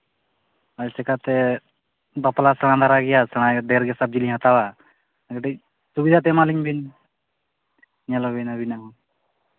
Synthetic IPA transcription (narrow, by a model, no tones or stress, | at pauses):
alsɛkat̪e | baplasəɽ̃ãd̪aɾaɡijasəɽ̃ãd̪eɾɡesab̚d͡ʒiliɦat̪awa | ɡeʈi | subid̪ʱat̪̬emaliɲbin | ɲalobinabinaɦ